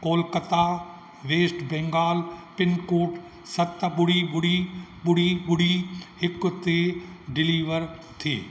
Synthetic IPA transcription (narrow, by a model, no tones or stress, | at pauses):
koːlkət̪a | ʋeːsʈbɛ̃ːŋɡaːlpɪnkuːʈ | sɐt̪bʊɽibʊɽiɓʊɽiɓʊɽiɦɪkt̪eɖɪliːʋəɾ | t̪ʰḛː